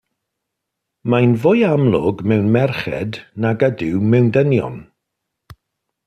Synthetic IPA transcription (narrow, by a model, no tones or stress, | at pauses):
majnvʊjamlˠʊ̰ɡmɛwnmɛrχɛ̰dnaɡədɪwmɛwndənjɔ̰n